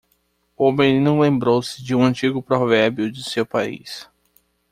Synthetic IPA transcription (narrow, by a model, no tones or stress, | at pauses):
ʊmẽninɐ̃w̃lẽmbɾowsɪd͡ʒɪũɐ̃nt͡ʃiɡʊpɾɔvɛɾbjʊd͡ʒɪsewpaḭs